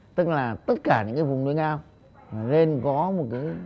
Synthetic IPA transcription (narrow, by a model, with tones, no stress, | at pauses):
t̪ɨ˦˥k̚laː˨˩t̪ə˦˥t̚kaː˧˩ɲɨ̰˧˥ŋkaː˨˦vʊ˨˩ŋ͡mnu˧ənʔaː˧m | maː˨˩le˧nkɔ˨˦mo˨˩t̚kaː˨˦